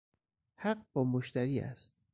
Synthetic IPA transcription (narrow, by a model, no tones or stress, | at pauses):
hæɢb̥ɒːmoʃt̪æɾiːæ̰st̪̚